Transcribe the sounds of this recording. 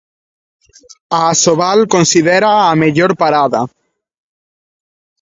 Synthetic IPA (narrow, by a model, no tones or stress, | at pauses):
aːsoβalkonsiðeɾaːmeʎoɾpaɾaða